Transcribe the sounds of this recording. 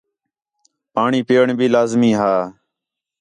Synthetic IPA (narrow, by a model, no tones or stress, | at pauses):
paːɳiːpeːɳbʱiːlaːzmĩːɦaː